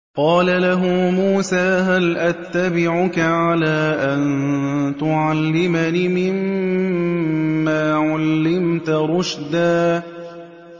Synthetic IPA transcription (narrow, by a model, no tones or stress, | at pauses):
qɑːlalaɦʊmuːsaːɦalʔat̪ːabɪʕʊkaʕalaːʔant̪ʊʕalːɪmanimɪm | aːʕalːɪmt̪aɾˤʊʃd̪aː